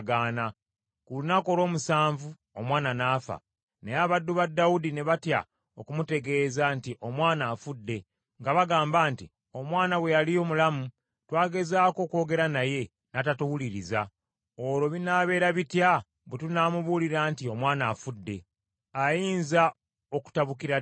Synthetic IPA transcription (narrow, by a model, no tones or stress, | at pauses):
ɡaːna | kulunako̞lo̞ːmusaːɱvu | omwaːnanaːfa̰ | nejaβadːuβadːaudine̞βatja̰ | o̞kumute̞ɡe̞ːzantiʔo̞mwaːnaːfudːe̞ | ŋɡaβaɡaːmbaːnti | o̞mwaːnaβwe̞jalijo̞ːmulamu | twaːɡe̞zaːko̞ːko̞ːɡe̞ɾanaje̞ | natatuwuliɾḭza̰ | oɾo̞βinaːβe̞ːɾaβitja | βetunaːmuβuːliɾaːntio̞mwaːnafudːe̞ | ajiːnza | o̞ku̥taβukiɾa